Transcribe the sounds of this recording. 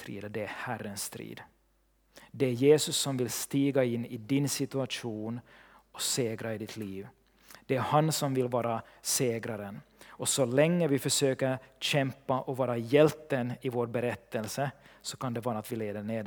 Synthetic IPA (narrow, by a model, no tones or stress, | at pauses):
t̪ɾḭːd̪əd̪ɛæhærːənst̪ɾḭːd̪ | d̪ɛæɾjeːsɵsːɔmvɪlst̪iːɡaɪnːɪd̪ɪnsɪt̪ɵaʂuːnɔseːɡɾaɪd̪ɪt̪ʰliːv | d̪̥ɛæɾhansɔmvɪlvɑːɾaseːɡɾaɾənɔsɔlɛŋːəvɪfœʂøːkəɾɕɛmpaʔɔvɑːɾajɛlt̪ːənɪvoːɾbɛɾɛt̪ːəlsəsɔkʰand̪ɛvɑːɾaːt̪vɪleːd̪əɳeːd̪